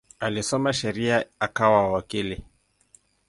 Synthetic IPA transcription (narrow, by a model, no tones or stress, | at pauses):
alisɔmaʃɛɾiaakawawakili